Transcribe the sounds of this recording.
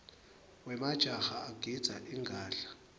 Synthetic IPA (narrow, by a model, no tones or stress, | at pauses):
wɛmad̥ʒ̥ʱaxaːɡ̥ʱid̥z̥ʱa̰ʔiŋɡʱaːɬḁ